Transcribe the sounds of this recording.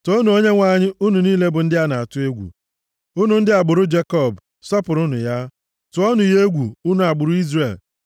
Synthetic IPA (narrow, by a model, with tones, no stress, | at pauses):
to˦nu˨o˦ɲe˦ŋʷa˨ɲɪ˦ʔu˦nu˨niː˦le˦bʊ˨n̩˦dɪ˦a˦na˨a˨tʊ˦e˦ɡʷṵ˨ | u˦nu˨n̩˦dɪ˦a˨ɡ͡bʊ˨ɾʊ˦d͡ʒe˦kɔ˦˨b | sɔ˦pʊ˨ɾʊ˦nʊ̰˨ja˦ | tʊ˨ɔ˦nʊ˨je˦ɡʷu˨u˦nu˨a˨ɡ͡bʊ˨ɾʊ˦i˦zre˨l